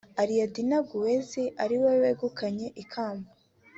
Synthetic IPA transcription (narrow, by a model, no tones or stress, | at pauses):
aɾijadinaɡuweziʔaɾiweweːɡukʰaɲe̞ʔikʰaːmba